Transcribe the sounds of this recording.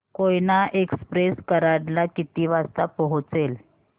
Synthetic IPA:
kojnaʔekspɾeskəɾaɽlakit̪iʋast̪apəɦut͡sel

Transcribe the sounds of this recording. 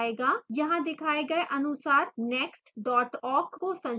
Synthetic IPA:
eːɡaːjɐɦãd̪ɪkʰaːeɡɐeʔɐnʊsaːɾnɛːksʈɖɔːʈɔːɾɡkosɐ̃n

